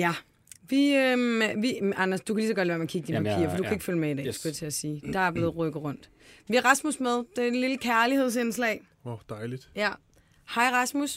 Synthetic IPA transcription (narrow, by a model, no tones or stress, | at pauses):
jæ | ʋiøʋiɑnɐsd̥ukʰæliːs̬ɒɡ̥ɒd̥lʋæɐmeɐkʰiɡ̥d̥inpʰæpʰḭːɐfɒ̽d̥ukʰæeɡ̥føləmeid̥ɛ̰sɡ̥ot͡sʰe̝æsiːd̥ɑ̈æɐb̥le̝ːðˠʁœɡ̥əð̩ˠʁɔ̽n̰d̥ | ʋiæʁɑ̈smusmeðˠd̥eliləkʰæɐlihe̝ð̞̰ˠsenslɛ̰ɪ | d̥ɑɪlid̥jæ | hɑ̈ɪ̰ʁɑ̈smus